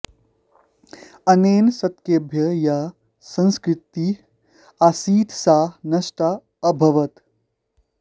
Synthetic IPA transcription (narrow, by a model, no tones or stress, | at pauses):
ɐneːnsɐt̪keːbʱjɐja | sɐ̃nskɾɪt̪i | asiːt̪ʰsaːnɐʃʈaː | bʱɐʋɐt̪